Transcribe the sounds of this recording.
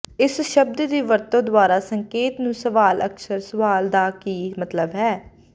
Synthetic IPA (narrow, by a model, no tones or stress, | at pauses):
ɪsʃəb̚d̪d̪iːʋəɾt̪õːd̪waːɾaːsəŋkeːt̪nũːsəʋaːlʔə̰ksəɾsʊʋaːld̪aːkiːmət̪ləbɦɛː